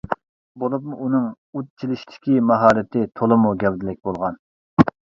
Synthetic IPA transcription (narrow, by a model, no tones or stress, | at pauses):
bolˠupmuʔunɨŋ | ut̪̚t͡ʃʰilɪʃt̪ʰɪ̥kʲimɑɦɑːɾɪt̪ʰɪt̪ʰolˠɨmuɡʲɛwd̪ɪlɪk̚ʲbolˠʁɑn